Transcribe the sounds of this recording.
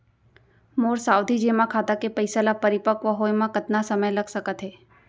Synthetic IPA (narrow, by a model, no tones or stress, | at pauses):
moɾsawd̪ʱid͡ʒemãkʰat̪akepəjsalapəɾipəkʋəɦojmãkət̪nasəməjləɡsəkət̪ɦe